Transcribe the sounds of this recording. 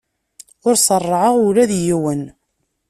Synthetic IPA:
ʊɾsˤərˤːəʕəʁuɾæðjiwən

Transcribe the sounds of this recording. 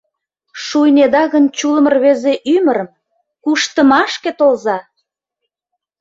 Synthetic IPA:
ʃujned̪ɑɣənt͡ɕuləmərβezeʔyməɾəm | kuʃt̪ə̆mɑʃket̪olzɑ

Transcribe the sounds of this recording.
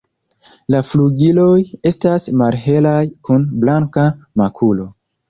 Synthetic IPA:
lafluɡilo̞je̞stasmalɦe̞lajkunblaŋkamakʰulo̞

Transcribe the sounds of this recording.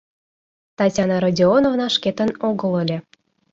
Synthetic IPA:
t̪ɑtʲɑnɑɾodʲionovnɑʃket̪ənoɣə̆lɤlʲĕ

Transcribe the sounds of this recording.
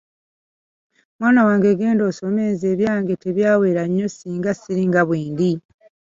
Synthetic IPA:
mwaːnawaːŋɡeɡe̞ːndo̞ːso̞meːnzeːβjaːŋɡe̞te̞βjaːwe̞ːɾaɲːo̞siːŋɡasiɾiŋɡaβwiːnd̪i

